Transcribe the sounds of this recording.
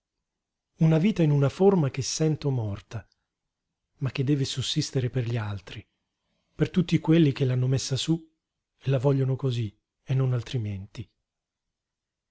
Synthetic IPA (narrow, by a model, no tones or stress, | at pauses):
unaviːt̪ainunaformak̟esːɛnt̪omɔrt̪a | mak̟ːed̪ːɛːvesusːist̪eɾeperʎialt̪ɾi | pert̪ut̪ːikwelːik̟elːanːomesːasu | elːavɔʎːonokozi | enːonalt̪ɾiment̪i